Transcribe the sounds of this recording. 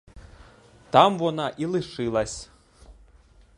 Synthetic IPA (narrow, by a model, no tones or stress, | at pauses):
t̪amvɔnaʔilˠɨʂɨlˠɐsʲ